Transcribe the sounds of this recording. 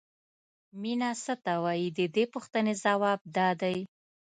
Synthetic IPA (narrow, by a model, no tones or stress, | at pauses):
minɑsət̪awɑjid̪əd̪epuxt̪ənezawɑb̚d̪ɑd̪aj